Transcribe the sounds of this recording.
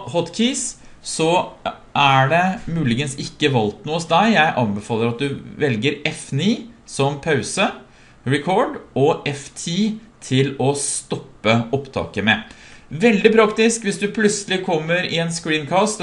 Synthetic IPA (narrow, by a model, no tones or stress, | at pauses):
hɔt̪kʰiːssɔ | ʔæɖɛmʉːlɪɡənsɪkːəʋɑlt̪nuːɔsd̪æɪjæɪʔɑnbɛfɑːlˠəɾɑt̪̚d̪ʉʋɛlɡəɾɛfniːsɔmpʰɑʉsə | ɹɛkʰɔɖɔʔɛft̪ʰiːt̪ʰɪlɔst̪ɔpːəɔpt̪ʰɑ̰ːkəmɛ | ʋɛld̪ɪpʰɾɑkt̪ɪskʋɪsd̪ʉpʰlʉt̪səlɪkʰɔmːəɾɪɛnskɹiːnkʰɑːst̪